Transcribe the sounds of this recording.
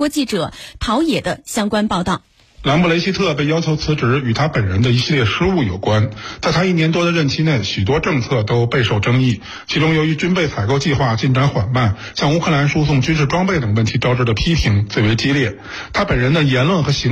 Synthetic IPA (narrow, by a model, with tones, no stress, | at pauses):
ɔ˧˥t͡ɕi˥˩ʈ͡ʂɤ˨˩˦t̪ʰɑ˧˥ʊjɛ˨˩d̪ə˦ɕjɑ˥ŋkwa˥npɑ˥˧ʊt̪ɑ˥˩ʊ | la˧˥npu˥˩le˧˥ɪɕi˥t̪ʰɤ˥˧pe˥˩ɪjɑ˥ʊt͡ɕʰo˧˥t͡sʰɹ̩˧˥ʈ͡ʂɻ̩˧˥y˨˩t̪ʰa˥pə˨˩nɻə˧˥nd̪ə˧i˧˥ɕi˥˧ljɛ˥˩ʂɻ̩˥u˥˩jo˨˩ʊkwa˥nt̪a˥˩t̪ʰa˥i˥˩njɛ˧˥nt̪wɔ˥d̪ə˨ɻə˥˩nt͡ɕʰi˥ne˥˩ɪɕy˨˩t̪wɔ˥ʈ͡ʂɤ˥˧ŋt͡sʰɤ˥˩t̪o˥ʊpe˥˧ɪʂo˥˩ʊʈ͡ʂɤ˥ŋi˥˩ | t͡ɕʰi˧˥ʈ͡ʂʊ˥ŋjo˧˥ʊy˧˥t͡ɕy˥npe˥˩ɪt͡sʰa˨˩ɪko˥˧ʊt͡ɕi˥˧xwa˥˧t͡ɕi˥˩nʈ͡ʂa˧˥nxwa˨˩npa˥˩n | ɕjɑ˥˧ŋu˥kʰɤ˥˩la˧˥nʂu˥sʊ˥˩ŋt͡ɕy˥nʂɻ̩˥˩ʈ͡ʂwɑ˥ŋpe˥˩ɪt̪ɤ˨˩ŋwə˥˩nt̪ʰi˧˥ʈ͡ʂɑ˥ʊʈ͡ʂɻ̩˥˧˥d̪ə˨˩pʰi˥pʰi˧˥ŋt͡swe˥˩ɪwe˧˥ɪt͡ɕi˥ljɛ˥˩ | t̪ʰa˥pə˨˩nɻə˧˥nd̪ə˧jɛ˧˥nlwə˥˩nxɤ˧˥ɕi˧˥